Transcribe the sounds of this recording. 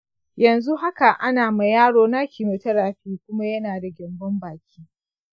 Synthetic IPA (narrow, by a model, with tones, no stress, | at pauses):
jɐ˨nzu˦ɦa˦ka˨ʔa˦naː˨ma˨jaː˦ɽoː˦na˦kʲiː˨mu˨tɐ˦ɽaː˨ɸiː˦kʷʊ˦ma˦jɐ˦naː˨da˨ɡʲɪ˨mbɔ˦mbaː˨kʲiː˦